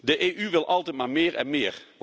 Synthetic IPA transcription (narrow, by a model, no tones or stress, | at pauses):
dəʔeːʔyʋɪlˠʔɑlˠtɛjt̚maːɹmɪːɹɛ̰nmɪːɹ